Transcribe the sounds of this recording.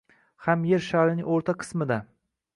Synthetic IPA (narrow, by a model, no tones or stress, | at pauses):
hamjeɾʃaɾɪnɪŋʲoɾt̪ʰaqʰɨ̥smɪd̪a